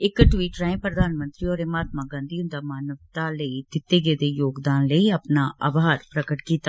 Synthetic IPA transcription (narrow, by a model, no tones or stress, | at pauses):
ɪkʈwiːʈɾaẽpɾəd̪aːnmə̃nt̪ɾiɔːɾemaːt̪̚maɡãːnd̪iːʊ̃nd̪aːmaːnəʋt̪aləid̪ɪt̪ːeːɡeːd̪ejoːɡd̪aːnləiəpnaːʔaːbʱaːɾpɾəkəʈkiːt̪a